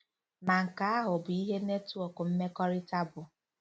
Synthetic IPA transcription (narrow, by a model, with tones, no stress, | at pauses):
ma˨ŋ̩˨ka˨˦a˦ɦʊ˨bʊ˨i˦ɦe˦ne˦tu˦o˨kʊ˨m̩˦me˦kɔ˦ɾɪ˦ta˦bʊ˨